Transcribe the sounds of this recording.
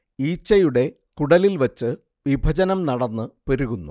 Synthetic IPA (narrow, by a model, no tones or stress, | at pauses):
iːt͡ɕːɐjuɽe̞ | kuɽɐlilʋɐt͡ɕːɨ | ʋibʱɐd͡ʑɐnɐmnɐɽɐnːɨpeɾuɣunːṵ